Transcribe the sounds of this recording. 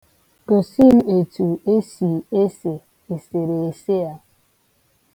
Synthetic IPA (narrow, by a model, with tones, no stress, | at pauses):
ko˨si˦n˦e˨tu˨e˦si˨e˦se˨ | e˨se˨ɾe˨e˨se˦a˨